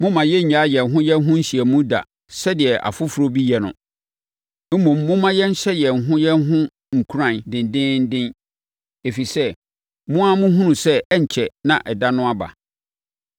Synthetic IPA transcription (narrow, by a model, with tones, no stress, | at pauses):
mʊ̃˦mã˨jɛ˦ɲ̩˨ɲa˨˦jɛ˨n˨ɦʊ̃˦jɛ˦n˦ɦʊ̃˦n̩˦ɕi˨æ˨mũ˦da̰˨ | sɛ˦dɪ˨ɛ˨ʔa̰˨fʊ˦fu˨˦ɾo˦bi˦jɛ˨nʊ̰̃˨ | m̩˦mɔ̃˨mːʊ̃˦mã˦jɛ˦n̩˦ɕɛ˦jɛ˨n̩˨ɦʊ̃˦jɛ˦n˦ɦʊ̃˦ | ŋ̩˨kʰu˦ɾã˨ndɪ̃˨n˨dɪ̃˦n̩˦dɪ̃˦n | e˨fi˨sɛ˦ | mʊ̃˦a˦mʊ̃˦ɦũ˦nũ˨sɛ˦ɛ˦ɲ̩˨t͡ɕʰɛ˨nã̰˨ʔɛ˨da˦nʊ̃˦a˦ba̰˨